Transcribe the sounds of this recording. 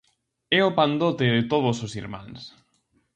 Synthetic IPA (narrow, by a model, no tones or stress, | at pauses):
ɛopand̪ot̪eðet̪oð̞ʊsosiɾmã̰ns